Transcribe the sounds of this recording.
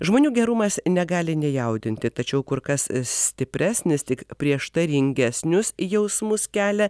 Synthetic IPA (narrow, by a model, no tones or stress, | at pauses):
ʒmoːnʲuːɡʲɛɾʊmɐsnʲɛɡɑːlʲɪnʲɛjɛʊd̪ʲɪnʲt̪ʲɪt̪ɐt͡ʃʲɛʊkʊɾkɐssʲt̪ʲɪpʲɾʲæːsʲnʲɪst̪ʲɪkpʲɾʲiɛʃt̪ɐɾʲɪŋʲɡʲɛsʲnʲʊsjɛʊsmʊskʲæːlʲɛ